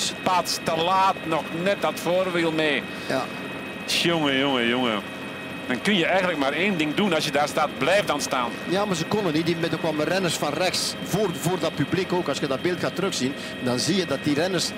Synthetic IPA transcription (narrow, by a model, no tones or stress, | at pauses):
spaːtstəlaːtnɔxnɛt̚dɔtfoːrʋilˠmeː | ja | sjoŋəjoŋəjoŋə | d̥ɔnkønjəɛjɣəndlək̚maːɾeːndɪŋdunɑsjədaːrstat̚blɛːfdɔnstaːnjaːmarzəkɔnəniditmɛtokʋɔlˠmərɛnərsfɔnrɛxsvoːrvordɔt̚pyblikoːkɑlsjədɔt̚bɪlˠtxaːtːəɾøxsin | dɑnziːjədɑt̚dirɛnərs